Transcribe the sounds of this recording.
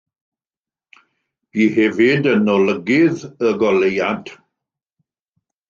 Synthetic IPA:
b̥iːhɛvɪdənɔləɡɪðəɡɔlejad̥

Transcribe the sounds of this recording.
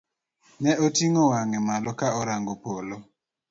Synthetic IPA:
nɛʔotiŋowaŋɛmalɔkaɔɾaŋɡopolo

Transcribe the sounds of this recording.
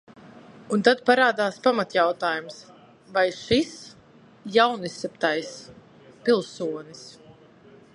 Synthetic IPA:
unt̪ad̪̚paɾaːd̪aːspamat̪jawt̪aːjums | vajʃis | jawnisʲɛpt̪ajs | pilˠsuɔnis

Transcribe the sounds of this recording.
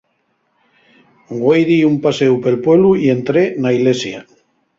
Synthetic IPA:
ɡwejðiumpasewpelpweβluie̞nt̪ɾenailesja

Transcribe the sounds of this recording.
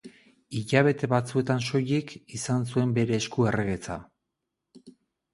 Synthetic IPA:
iʎaβ̞e̞t̪e̞βat͡sue̞t̪anʃo̞jikisansue̞mbe̞ɾe̞ːskue̞reɣe̞t͡sa̰

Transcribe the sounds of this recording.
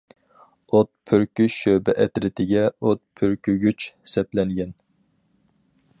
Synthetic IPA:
ot̪̚pʰyɾkʲyʃøbɛʔɛt̪ɾɪt̪ʰɪɡʲɛot̪̚pʰøɾkʲyɡʲyt͡ʃsɛplɛŋɡʲɛn

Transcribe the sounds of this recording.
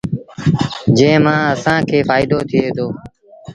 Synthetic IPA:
d͡ʒẽːmãːəsãːkʰeːfaːɪd̪oːt̪ʰɪeːt̪ʰoː

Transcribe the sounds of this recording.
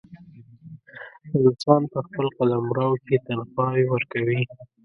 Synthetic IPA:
ɪlsɑnpəxpəlqalamɾɑwket̪anxɑjwəɾkawi

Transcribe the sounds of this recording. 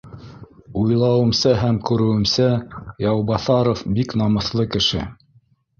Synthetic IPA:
ujlˠɑwɤ̆msæɦæmkʉɾɘ̆wɘ̆msæjɑwbɑθɑɾofbiknɑmɤ̆θlˠɤkɘ̆ʃɘ̰

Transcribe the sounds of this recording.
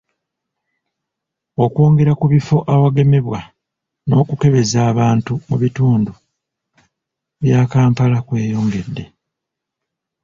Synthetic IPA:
o̞kwo̞ːŋɡe̞ɾakuβifo̞ʔawaɡe̞me̞βwa | no̞̰ːkuke̞βe̞zaːβaːntumuβituːndu | βjaːkaːmpalakwe̞ːjoːŋɡe̞dːe̞

